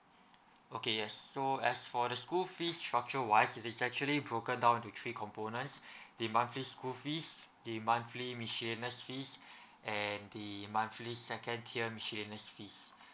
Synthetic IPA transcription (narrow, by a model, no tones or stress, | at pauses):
okejɛsːoɛsfɔdəskulfistɹak̚t͡ʃəwaɪsitisɛk̚t͡ʃuəlibɹokə̃ndãw̃tut̪ʰɹikʰɔ̃mponə̃ntsdimãnfliskulfisdimãnflimiʃilinəsfis | ʔɛ̃ndimãnflisɛkə̃ntʰiəmiʃilinəsfis